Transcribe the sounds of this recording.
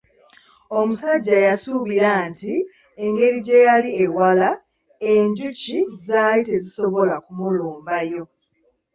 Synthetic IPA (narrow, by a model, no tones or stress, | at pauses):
o̞musaɟːajasuβiɾanti | eŋɡe̞ɾiɟe̞jaliewala | e̞ɲɟucizaːlite̞zisoβo̞lakumuluːmbajo̞